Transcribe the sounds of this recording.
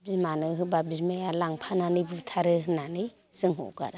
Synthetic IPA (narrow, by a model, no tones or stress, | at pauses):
bizmanɯɦɯbabizmejalaŋpʰananɯjbutʰaɾɯɦnanɯj | z̥ɯŋɦɔ̰ɡa̰ɾa